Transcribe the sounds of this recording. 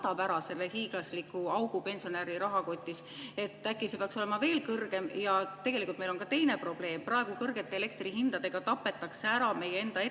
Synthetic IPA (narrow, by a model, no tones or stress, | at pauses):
t̪ɑpæɾɑse̞lːehiːɡ̥lɑslikːˑuɑwɡ̥upe̞nsio̞neɾiɾɑɦɑko̞t̪ʲːˑise̞t̪ːˑækːˑisepeɑkso̞le̞mɑve̞ːlkɤrɡ̥e̞mjɑt̪e̞ɡ̥e̞likult̪mejlo̞nkɑt̪e̞jne̞pro̞b̥le̞ːmprɑeɡ̥ukɤrɡ̥e̞t̪ːeːle̞k̚t̪riɦind̪ɑd̪̥e̞ɡ̥ɑt̪ɑpːˑe̞t̪ːˑɑkseæɾɑme̞jːee̞nd̪̥ɑe